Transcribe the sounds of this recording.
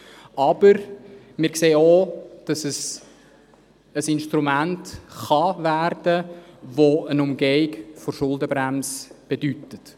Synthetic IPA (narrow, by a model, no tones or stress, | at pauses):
ɑbəɾ | mɪːɾkseːod̥ɑsəs | əsɪnʃtɾumæntχɑværd̥əvoənʊmɡeɪkfɔɾʃʊlˠdəbɾæmsb̥edytət